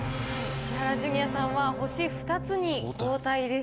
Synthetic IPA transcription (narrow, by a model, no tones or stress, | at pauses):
t͡ɕiɦaɾaʑɨŋ̟ijasãɰ̃βaho̞ɕiɸɯ̟̥t̪at͡sɨɲ̟ikoːt̪aid̪e̞s